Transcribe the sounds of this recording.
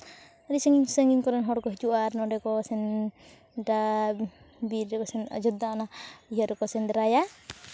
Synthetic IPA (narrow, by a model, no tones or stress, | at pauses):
aɾisɛŋiɲsɛŋɡiɲkɔɾɛnɦɔɽkɔɦid͡ʒuʔaɾnɔɖɛkɔsɛn | da | biɾɛkɔsɛna̰d͡ʒɔd̪ːaɔnaiɦaɾɛkɔsɛnd̪ɾaja